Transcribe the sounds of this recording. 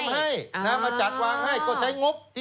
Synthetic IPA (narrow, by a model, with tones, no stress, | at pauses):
nɦa˥˩jnaː˧˩mːaː˧t͡ɕa˨˩t̪̚waː˧ŋha˥˩jkɔː˧˥˩t͡ɕʰa˦˥jŋo˦˥p̚t̪ʰi˧